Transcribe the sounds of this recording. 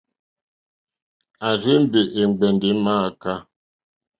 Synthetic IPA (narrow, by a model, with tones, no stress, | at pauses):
a˨ɾe˦n̩˦de˨ʔe˨ŋ͡m̩˨ɡ͡be˨n̩˨dɪ˨˦ma˦a˨ka˦